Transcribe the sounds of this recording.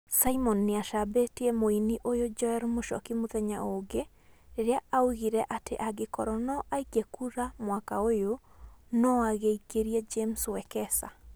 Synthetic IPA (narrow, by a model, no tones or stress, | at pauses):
saimɔnːeaʃabetiɛmoiniʔojod͡ʒɔɛɾmoʃɔ̰kimoðɛɲaoɡe | ɾeɾeaauɣiɾɛʔateʔaɡekɔɾɔnɔʔaikekuɾamwakaojonɔaɣeikeɾiɛd͡ʒemswɛkɛsa̰